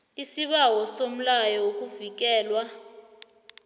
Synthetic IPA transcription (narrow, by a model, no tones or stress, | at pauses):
isiɓawɔsom̩lajɔok̬ʼuvik̬ɛːlwa